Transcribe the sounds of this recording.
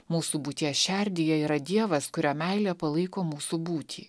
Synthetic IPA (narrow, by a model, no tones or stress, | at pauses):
muːsuːbuːt̪ʲiɛsʃʲɛɾʲd̪ʲɪjɛiːɾɐd̪ʲiɛʋɐskʊɾʲæmʲɛɪlʲeːpɐlˠɐɪkoːmuːsuːbuːt̪ʲʰḭː